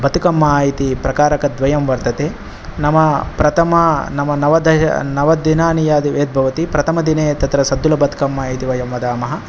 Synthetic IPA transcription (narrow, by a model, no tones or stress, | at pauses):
bɐt̪ukɐmːaːjit̪ipɾɐkaːɾɐkɐd̪ʋɐjɐmʋɐɾt̪ɐt̪eː | nɐmɐpɾɐt̪ʰɐmɐnɐmɐnɐʋɐd̪ɐɐ̰nɐʋɐd̪inaːnijaːd̪iʋeːd̪̚bʱɐʋɐt̪ipɾɐt̪ʰɐmɐd̪ineːt̪ɐt̪ɾɐsɐd̪ːulɐbɐt̪ʰu̥kɐmːaːjit̪iʋɐjɐmʋɐd̪aːmɐɦɐ